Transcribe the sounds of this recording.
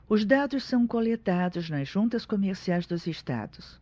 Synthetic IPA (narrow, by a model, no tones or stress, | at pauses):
ʊzd̪ad̪ʊssɐ̃w̃kolet̪ad̪ʊznɐzʒũnt̪ɐskomeɾsiajzd̪ʊzeʃt̪a̰d̪ʊs